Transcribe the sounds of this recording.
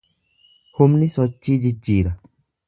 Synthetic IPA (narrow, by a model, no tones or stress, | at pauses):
homnĩsɔt͡ʃid͡ʒid͡ʒiɾa